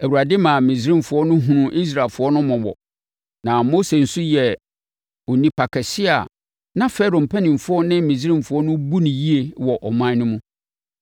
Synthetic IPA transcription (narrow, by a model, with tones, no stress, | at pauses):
æ˨wu˨ɾa˨dɪ˦mã˨mĩ˨zɾɪ̃˦m˨fʊ˨˦ɔ˦nʊ̃˦ɦũ˨nʊ̃˨ʔi˦s̬ɾa˨lfʊ˨˦ɔ˦nʊ̃˦mɔ̃˨wɔ̰˨ | nã˨mo˦se˨n̩˨su˦jɛ˨ | ɔ˨nĩ˦pʰa˨kʰɛ˨sɪ˦a̰˨ | nã˦fɛ˦ɾõ˨m̩˨pʰɛ˦nɪ̃˨m˨fʊ˦ɔ˦nɪ̃˦mĩ˨zĩ˦m˨fʊ˨ɔ˦nʊ̃˦bu˦nĩ˨ji˦e˨wɔ˨ʔɔ˨mã˦nʊ̃˦mũ˦